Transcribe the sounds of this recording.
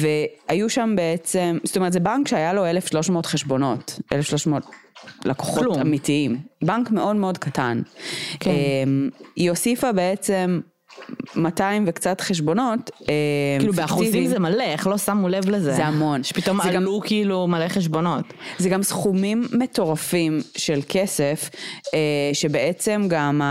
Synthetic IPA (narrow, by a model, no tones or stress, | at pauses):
veajuʃambeet͡se̞mz̥tomeʁt̪zebaŋkʃeajalo̞elefʃlo̞ʃmo̞ːtχeʃbo̞no̞tʔḛlefʃlo̞ʃmoːt̚lako̥χoluamitiimbaŋkme̞o̞dmeo̞dkatankemiosifabe̞et͡semː | ataimvekt͡satχeʃ̬bo̞no̞teilufbeaχuizvimzemaleeχlo̞samulevlezezeamo̞nʃe̥pit̪omazaɡalukiilumaleχeʃ̬bo̞no̞t | zeɡamsχumimːeto̞ʁafimʃe̞lkesefeʃebeʔet͡se̞mɡam